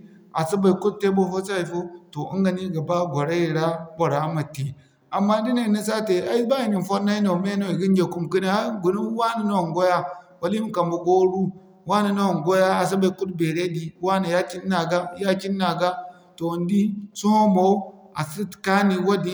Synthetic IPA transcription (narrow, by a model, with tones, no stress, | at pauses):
a˨si˦ba˨i˨ku˦t̚tːe˦bo˦fo˦sa˦˨i˨fo˦to˨ʔḭ˦ŋɡa˨ni˦ɡa˨ba˦ɡʷo˨ɾa˦ji˨ɾa˦bo˨ɾa˨˦ma˨ti˨ | a˨mːa˦di˦na˦˨ni˦s̬a˦te˨a˨i˦ba˦i˨ni˨n˨fo˦na˦i˦no˨me˦no˦i˨ɡi˦n˦d͡ʒe˨ku˦mki˦ne˨a˦ɡu˨nu˦wa˦ni˨no˦˨ŋɡo˦ja˦wa˨li˦m˦ka˨mbu˨ɡo˦ɾu˦ | wa˦ni˨no˦a˨ŋɡo˦ja˦a˨s̬i˦ba˨i˨ku˦tbe˨ɾe˦di˨wa˦na˨ja˦t͡ʃi˦nː˦a˨ɡa˦ja˦t͡ʃi˦nːa˨ɡa˦ | to˨ndi˦so˦ho˦mo˨˦ | a̰˨si˦˨ka˦ni˨wo˦di˦